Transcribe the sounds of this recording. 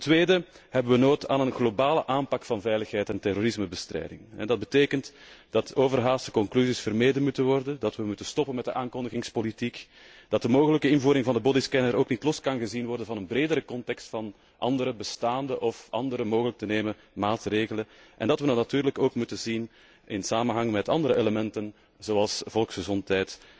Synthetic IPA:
təntʋeːdə | hɛbəʋənoːta̰ːnənɣlobaːləʔaːmpɑkfɑnvɛjləxɦɛjtɛntɛroːɾɪsməbəstrɛ̰jdɪ̰ŋɛ̰dɑd̚bəteːkənt | d̥ɑtoːvərɦaːstə̥kɔŋklyzisfərmeːdənmutənʋɔrdəndɑtʋəmutənstɔpənmɛt̚dəʔaːŋkɔndəɣɪŋspolitik | d̥ɑt̚dəmoːɣələkəɪnvuːɾɪŋvɑndəbodɪskɛnəɾoːknitlɔskɑnɣəzinʋɔrdənvɑnənbreːdəɾəkɔntɛkstfɑn | ʔɑ̰ndəɾəbəstaːndəʔɔfʔɑ̰ndəɾəmoːɣələk̚təneːmən | maːtreːɣələnʔɛ̰ndɑtʋənɑnatyːɾləkoːkmutənzin | ʔɪnsaːmənɦɑŋmɛtɑ̰ndəɾəʔeləmɛntən | zoːɑlˠsvɔlˠksxəzɔntɦɛjt

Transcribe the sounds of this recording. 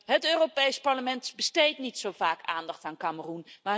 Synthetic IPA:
ɦətøːropejspɑɹləmɛntbəstejtnitsowvaːkaːndɑχtaːnkamərunmaː

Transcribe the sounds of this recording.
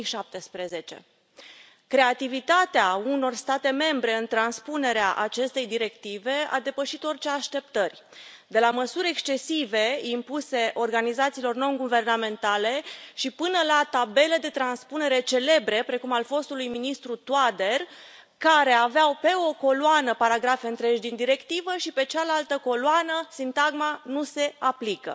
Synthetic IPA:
ʃap̚t̪e̞spɾe̞ze̞t͡ʃe̞̰ | kɾe̞at̪ivit̪at̪eauno̞rst̪at̪e̞me̞mbɾe̞ɨnt̪ɾanspune̞ɾeaʔat͡ʃe̞st̪e̞jd̪iɾe̞kt̪ive̞a̰d̪e̞pəʃit̪o̞rt͡ʃeaʃt̪e̞p̚t̪ərʲ | d̪e̞laməsuɾʲe̞kst͡ʃe̞sive̞impuse̞ʔo̞rɡanizat̪silo̞rno̞nɡuve̞rname̞nt̪ale̞ʃipɨnəlat̪abe̞le̞d̪e̞t̪ɾanspune̞ɾe̞t͡ʃe̞le̞bɾe̞pɾe̞kumalfo̞st̪ulujminist̪ɾut̪wad̪e̞r | kaɾe̞aveawpe̞o̞ko̞loanəpaɾaɡɾafeɨnt̪ɾe̞ʒd̪ind̪iɾe̞kt̪ivəʃipe̞t͡ʃalalt̪əko̞lwanəsint̪aɡmanuse̞aplikə̰

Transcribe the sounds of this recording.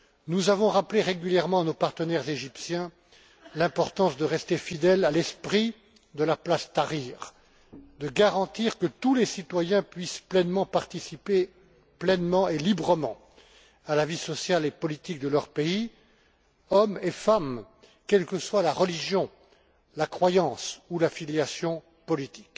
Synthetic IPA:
nuzavɔ̃ʁapleʁeɡʲyljɛʁmɑ̃anopaʁt̪ənɛʁzeʒipsjɛ̃ | lɛ̃pɔʁt̪ɑ̃sd̪əʁɛst̪efid̪ɛlalɛspχi | d̪əlaplast̪aʁiʁ | d̪əɡaʁɑ̃t̪iʁkət̪ulesit̪wajɛ̃pɥisplɛnmɑ̃paʁt̪isipe | plɛnmɑ̃elibʁəmɑ̰̃ | alavisɔsjalepɔlit̪ik̚d̪əlœʁpei | ɔmefam | kʲɛlkəswalaʁəliʒjɔ̃ | lakχwajɑ̃sulafiljasjɔ̃ | pɔlit̪i̥k

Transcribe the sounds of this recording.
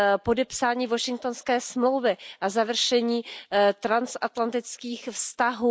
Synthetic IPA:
po̞dɛpsaːɲiːvo̞ʃɪŋk̚t̪o̞nskɛːsmlo̞wvɪʔazavr̩ʃɛɲiːt̪ɾansʔat̪lant̪ɪt͡skiːxfst̪aɦuː

